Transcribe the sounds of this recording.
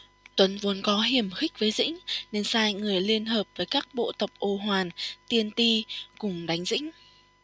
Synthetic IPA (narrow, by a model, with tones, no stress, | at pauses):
t̪wə˨˦nvu˨˦ənkɔ˨˦ɦi˨˩əmxï˦˥k̚vəː˨˦jzḭ˧˥ŋ̟ne˧nsaː˧jŋɨ˨˩əjli˧ənɦəː˨˩p̚vəː˨˦jkaː˦˥k̚ɓo̰˧˨t̪ə˨˩wk͡p̚ʔo˧˩ɦwaː˨˩nt̪i˧ənt̪i˧kʊ˨˩ŋ͡mɗa˨˦jŋ̟zḭ˧˥ŋ̟